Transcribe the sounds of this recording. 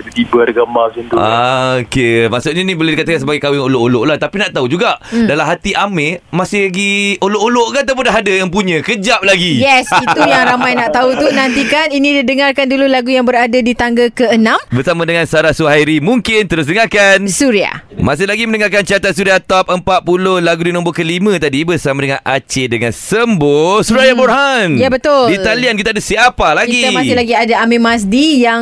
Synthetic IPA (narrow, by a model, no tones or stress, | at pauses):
t̪ət̪ibərɡəmbakint̪ua̰okemaʔsʊt̪̚ɲanĩboladikat̪akans̬əbaɡajkawɪŋoloʔoloʔlaht̪apinaʔt̪aud͡ʒuɡaʔdalamɦat̪iʔamemasɪhlaɡioloʔoloʔkaat̪̬awp̬ʊndaɦadajaŋpuɲə̃kəd͡ʒap̚laɡijɛsit̪ujaŋɾamãjnaʔt̪aut̪unãnt̪ikaninĩdidəŋarkandululaɡujaŋbəɾadadit̪aŋɡakəənãmbərsamãdəŋansaɾasuhajɾimuŋkɪnt̪əɾʊs̬dəŋakansuɾia̰mas̬ɪhlaɡimə̃nəŋakant͡ʃiat̪ansuɾiat̪ɔp̚əmpat̪̚pulohlaɡudinɔ̃mbokəlimə̃t̪adibərsamadəŋãnʔa̰t͡ʃedəŋansəmbosuɾajaborɦanjabət̪ʊldit̪aliank̬it̪adasiapalaɡɡiamasɪlaɡiadaamĩmas̬dijaŋ